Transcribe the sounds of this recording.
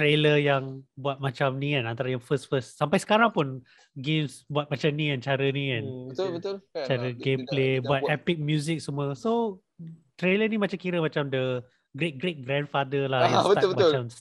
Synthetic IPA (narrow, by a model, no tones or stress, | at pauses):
t̪ɾeləjaŋbuat̪̚mãt͡ʃamnikanant̪aɾajaŋfəsfəsːampajsə̥kaɾaŋpun | ɡemsbuat̪̚mat͡ʃamnĩant͡ʃaɾəniãnəbət̪t͡ʃaɾəɡemplebuat̪ɛpɪk̚mjuzɪk̚səmuəso | t̪ɾelənimat͡ʃamkiɾəmãt͡ʃamdə | ɡɾet̪̚ɡɾet̪̚ɡɾɛ̃nfadəlahjaət̪abəmat͡ʃam